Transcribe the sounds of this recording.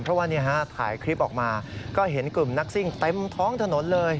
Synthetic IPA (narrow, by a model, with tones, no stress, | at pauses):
npʰɾɔ˦˥waː˧nːi˦˥ɦa˦˥t̪ʰa̰ː˩˦jkʰɾi˦˥p̚ʔɔː˨˩k̚maː˧kɔː˥˩ɦe˩˦nklɯ˨˩mna˦˥k̚si˥˩ŋt̪e˧mt̪ʰɔː˦˥ŋt̪ʰa˧no˨˩˦nlɤː˧j